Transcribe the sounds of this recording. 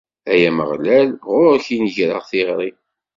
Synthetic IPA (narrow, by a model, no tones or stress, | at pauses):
æjæməʁlælʁʊɾçinʝɾə̰ʁθiʁɾˤi